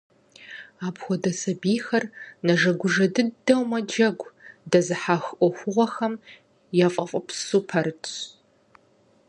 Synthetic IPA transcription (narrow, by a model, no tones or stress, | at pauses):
aːbxʷɔdɐsɐbiːxɐrnɐʒɐɡʷʊʒɐdɨdɐwmɐd͡ʒɐɡʷdɐzɨħaːxʔʷɔxʷʊʁʷɔxɐm | jafʼɐfʼɐpʰsuːpʰɐɾɨt͡ʃʼ